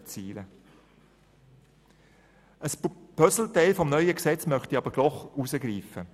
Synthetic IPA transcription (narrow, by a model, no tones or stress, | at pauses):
t͡siːlə | ʔəspœsl̩taɪlfɔmnœʏəksɛt͡smœχtiɑbəɾd̥ɔχuzəɡɾiːfə